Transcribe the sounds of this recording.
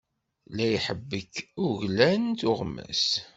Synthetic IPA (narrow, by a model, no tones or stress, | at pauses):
læjħəbːəkʊʝlænt̪ʊʁmːæ̰s